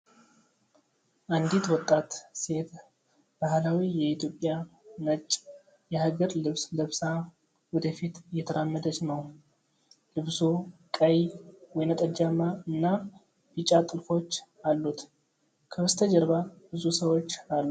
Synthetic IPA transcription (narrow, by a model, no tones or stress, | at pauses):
ʔand̪it̪wɔt̪ʼːat̪se̞t̪ | b̥ahlawijɛit̪ʰjo̞pʼːjanət͡ʃʼː | jɛhaɡəɾlɨβsləβsa | wɔd̪əfit̪jɛt̪ʰəɾamːəd̪ət͡ʃnəw | lɨβsukʼəjwɔjnət̪ʼəd͡ʒamːaɨnːa | b̥it͡ʃʼːat̪ʼɨlfo̞t͡ʃː | alːut̪ | kʰəwɨst̪ʰəd͡ʒəɾβabɨzusəwo̞t͡ʃːalːu